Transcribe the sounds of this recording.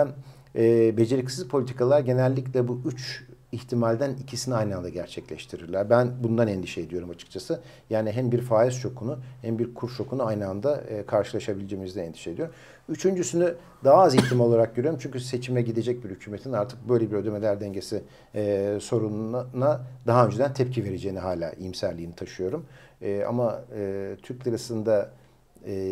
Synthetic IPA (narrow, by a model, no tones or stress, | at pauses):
ænː | bed͡ʒe̞ɾicsizpʰo̞lʲit̪ʰikalˠaɾɟe̞nælʲːiclʲɛbuyt͡ʃiçt̪ʰimalʲd̪ænicʰisiniajnɯand̪aɟæɾt͡ʃʰɛclʲɛʃt̪ʰiɾiɾlʲˠaɾbænbund̪anɛnd̪iʃɛːd̪ijo̞ɾumat͡ʃʰɯ̥k̚t͡ʃʰasɯ | jaːniɦæmbiɾfaːist͡ʃʰo̞kʰunuhæmbiɾkʰuɾt͡ʃʰo̞kunuajnɯand̪akʰaɾʃɯlˠaʃabilʲid͡ʒeːmizd̪ɛnɛnd̪i̥ʃed̪ijoɾ | yt͡ʃʰynd͡ʒysyny | d̪aɦaːzit̪ʲːimo̞lˠaɾak̚ɟøɾyjoɾumt͡ʃʰyɲcʰyse̞t͡ʃʰimɛɟid̪e̞d͡ʒɛc̚biɾhycʰyːme̞t̪ʰinaɾt̪ʰɯk̚bø̞jlʲe̞biɾø̞d̪e̞me̞lʲæɾd̪ɛɲɟe̞si | so̞ɾunnnad̪aɦaø̞nd͡ʒed̪ænt̪ʰɛp̚cʰive̞ɾe̞d͡ʒe̞jːniɦaːlʲa̰ːʔimsæɾlʲiːnit̪ʰaʃɯjo̞ɾumːa̰maɯːt̪ʰyɾc̚lʲaɾasɯnd̪a